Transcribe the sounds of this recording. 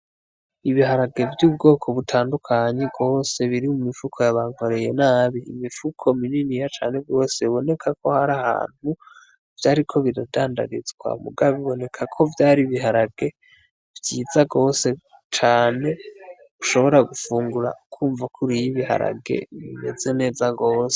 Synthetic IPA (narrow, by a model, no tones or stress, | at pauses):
iβiɦaɾaɡe̞vjuːbɡo̞ːkʰo̞βutʰaːndukʰaɲe̞ɡo̞ːse̞βiɾimumifukʰo̞jaβaŋ̥ho̞ɾe̞je̞̰naːβḭːmifukʰo̞mininijat͡ʃa̰ːne̞ɡɡo̞ːse̞βiβo̞ne̞kʰakʰo̞haɾaha̰ːn̥hu | v̥jaːɾikʰo̞βiɾadaːnda̰ɡizɡwa̰mṵɡaβiβo̞ne̞kʰakʰo̞vjaːɾiβiɦaɾaɡ̥e̞ | vjiːzaɡo̞ːse̞ | t͡ʃaːne̞ | βuʃo̞βo̞ɾaɡufuːŋɡuɾa̰kʰuːɱvakʰuɾijiβiɦa̰ɾa̰ɡe̞̰βime̞̰ze̞ne̞ːzaɡo̞ːse